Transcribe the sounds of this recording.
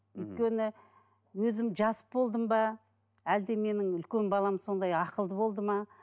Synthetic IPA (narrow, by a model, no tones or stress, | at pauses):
ʏjt̪̚kʲe̞nɪ | wɵzɪmʒɑsə̥pbo̞lˠd̪əmbɑ | æld̪eme̞nɪŋʏlkʲe̞nbɑlˠɑmso̞nd̪ɑjɑqəlˠd̪əbo̞lˠd̪əmɑ